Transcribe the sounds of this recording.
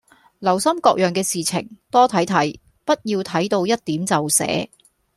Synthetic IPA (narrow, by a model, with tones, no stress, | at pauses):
lɐ˨˩wsɐ˥mkɔː˧k̚jœː˨ŋkɛː˧siː˨t͡sʰɪ˨˩ŋt̪ɔː˥t̪ʰɐ˨˥jt̪ʰɐ˨˥j | pɐ˥t̚jiː˧wt̪ʰɐ˨˥jt̪o˧wjɐ˥t̚t̪iː˨˥mt͡sɐ˨wsɛ̰ː˨˥